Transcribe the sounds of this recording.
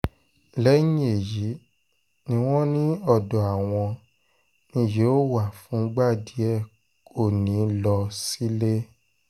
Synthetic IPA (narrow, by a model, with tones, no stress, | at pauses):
lɛ˨˦ɲĩ˦e˨ji˨˦ | nĩ˦w̃ɔ̃˦nĩ˦ɔ˦˨dɔ˨a˨w̃ɔ̃˧ | nĩ˧˦je˨˦o˦˨wa˦˨fũ˨˦ɡ͡ba˦˨di˨˦ɛ˦˨ | ko˦˨nĩ˨˦lɔ˧si˦le˦